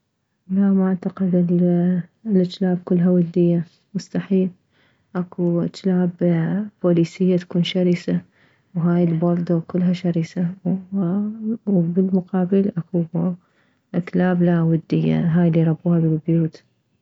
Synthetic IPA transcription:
lamaʕt̪aqɪd̪ɪl | lʔat̪laːb̚kʊlːɦawad̪ːɪjːa | mʊst̪aħiːl | ʔakuʔat̪laːbboːliːsɪjːat̪ḁkuːnʃaɾiːsa | wɦaːjɪlbɑɾˤd̪okʊlːɦaʃaɾiːsa | bɪlmʊqɑːbɪlʔaku | ʔat̪laːblawad̪ːɪjːa̰ɦaːjlːiɾˤɑbuːhabɪlbjuːt̪

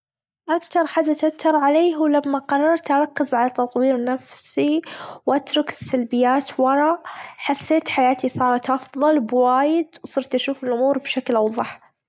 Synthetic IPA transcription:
ʔakt̪ɑɾˤħad̪at̪at̪ːɑɾˤʕaleːɦuwlamːaqɑrˤːɑɾˤt̪ʔɑɾˤɑkːɪzʕalat̪ɑt̪ˤwiːɾnafsiwʔat̪ɾˤʊkɪsːalbɪjːaːt̪wɑɾˤɑħasːeːt̪ħajaːt̪isˤɑːɾˤɑt̪ʔɑfðˤɑlbwaːjɪd̪wsˤɨɾt̪ʔaʃuːfɪlʔʊmuːɾbʃaklʔɑwðˤɑħ

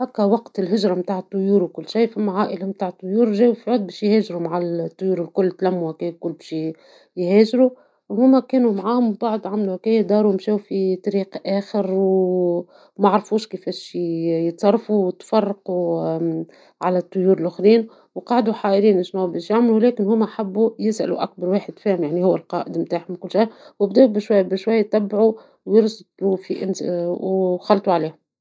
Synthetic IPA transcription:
hækːæwɑqt̪ɪlɦɪʒɾˤɑmt̪aːʕət̪ˤːʊjuːɾwkʊlːʃijːfæmːaʕaːʔɪlamt̪aːʕt̪ˤːʊjuːɾʒeːwufiʕʊːd̪̚bɛːʃjheːʒɾumaʕat̪ˤːʊjuːɾɪlkʊlːt̪læmːuhækeːjkʊlːbeʃi | jheːʒɾu | ʔʊmumːækeːnumaʕaːhʊmbaʕd̪ʕamluhækeːjd̪ɑːɾuɪmʃeːwfit̪ˤɑɾiːqʔeːxɪɾw | maʕɑɾˤfuːʃkɪfeːʃjət̪sˤɑrˤːɑfuwt̪fɑrˤːɑqu | ʕalæt̪ˤːojuːɾɪlʔʊxɾiːn | wqɑːʕd̪uħaːʔɪɾiːnɪʃnoːbæːʃjaʕmlulɛːkɪnhʊːmæʔħabːujɪsʔæ̰lṵʔæk̚bɑɾˤwaːħɪd̪fæːhɪmjaʕnihʊwːælqɑːʔɪd̪mt̪aːʕħmkʊlːʃajwɪbd̪eːbɪʃwajːbɪʃwajːt̪æbːʕu | wjɪɾst̪ufiʔɪ̰nwxɑlt̪ˤuʕaleːhʊm

